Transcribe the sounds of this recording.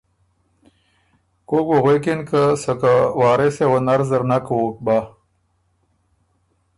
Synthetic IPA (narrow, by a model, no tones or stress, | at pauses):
kokwoɣekenkəsɐkawaːɾesewonaɾzəɾnakwoːk̚ba